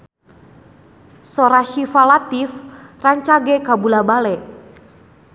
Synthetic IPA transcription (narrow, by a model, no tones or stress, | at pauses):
sɔɾaʃifalat̪ifraɲt͡ʃaɡɛkabulabalɛ